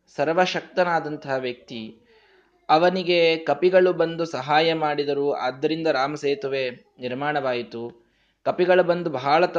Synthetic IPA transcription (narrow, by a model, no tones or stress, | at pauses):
sɐɾʋɐʃɐk̚t̪ɐnaːd̪ɐnt̪ɐɦɐʋjɐk̚t̪i | ɐʋɐniɡe̞kɐpiɡɐɭubɐnd̪usɐɦaːjɐmaːɽid̪ɐɾuːa̰ːd̪ːɐɾind̪ɐɾaːmɐseːt̪uʋe | niɾmaːɳɐʋaːjit̪u | kɐpiɡɐɭubɐnd̪ubʱaːɭɐt̪